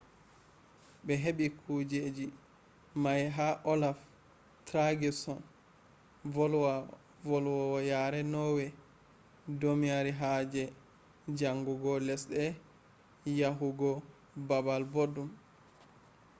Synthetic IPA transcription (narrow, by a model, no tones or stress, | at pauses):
ɓɛɦeɓikʰud͡ʒed͡ʒi | majɦaʔɔlaf | tɾaɡisɔn | ɔlw | vɔlwɔwɔjaɾɛnɔwɛ | domijaɾiɦad͡ʒɛ | d͡ʒaŋɡuɡɔlɛsɗɛ | jaɦuɡɔ | babalbodːum